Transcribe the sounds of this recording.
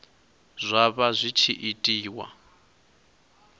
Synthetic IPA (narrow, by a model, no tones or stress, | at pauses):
zʷaβazʷit͡ʃʰiʔitʼiːwa̰